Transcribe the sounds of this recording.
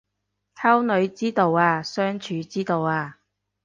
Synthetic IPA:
tʰɐ˥wnɵ˨˧ɥt͡siː˥t̪o˨˧waː˧sœː˥ŋt͡ʃʰyː˨˧t͡siː˥t̪o˨waː˧

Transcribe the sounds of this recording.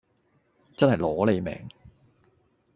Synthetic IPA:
t͡sɐ˥nhɐ˨jlɔː˨˥le˨˧jmɛ̰ː˨˩ŋ

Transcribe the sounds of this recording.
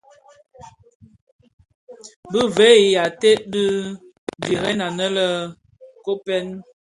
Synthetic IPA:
bə˦vɛ˨˦i˨ja˨te˦ʔdə˦ | bi˨ɣɛ˦na˨nə˦lə˦˨ | ko˦pɛ˦n

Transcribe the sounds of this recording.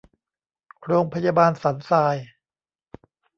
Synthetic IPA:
ɾoː˧ŋpʰa˧jaː˧baː˧nsa˩˦nsaː˧j

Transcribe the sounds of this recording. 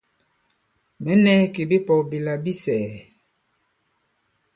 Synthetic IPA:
mɛ˨˦nɛ˦ke˨bi˦pɔ˨bi˨la˨bi˦sɛː˨

